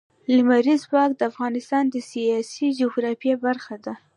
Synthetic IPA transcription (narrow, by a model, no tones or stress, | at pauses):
limaɾizbɑk̚d̪əafɣɑnɪst̪ɑnd̪əsijɑsid͡ʒoɡɾɑfijebaɾxad̪a